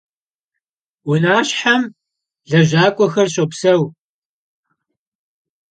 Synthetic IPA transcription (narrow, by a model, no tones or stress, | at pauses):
wʊnaːɕħam | ɮɐʑaːkʷʼɔxɐrɕʼɐpsɐw